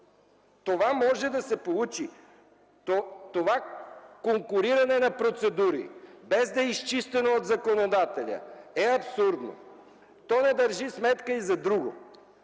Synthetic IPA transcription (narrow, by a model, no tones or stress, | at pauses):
t̪ovamɔʒɛd̪ɐsɛpolˠut͡ʃi | t̪ovakoŋkʊɾiɾɐnɛnɐpɾot̪sɛd̪uɾḭbɛzd̪ɐist͡ʃist̪ɛnoːd̪zɐkonod̪at̪ɛlʲə̰ɛɐpsuɾd̪no̰ | t̪ɔnɛd̪ɐɾʒismɛt̪kəizɐd̪ɾuɡo̰